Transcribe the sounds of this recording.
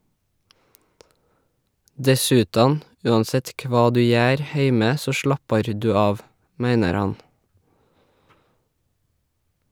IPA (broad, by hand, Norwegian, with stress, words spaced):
ˈdɛsʉˌtɑːn ˈʉːɑnˌsɛt ˈkʋɑː ˈdʉː ˈjæːɾ ˈheɪmə ˈsoː ˈʃlɑpɑɾ ˈdʉː ˈɑːʋ ˈmæɪnəɾ ˈhɑn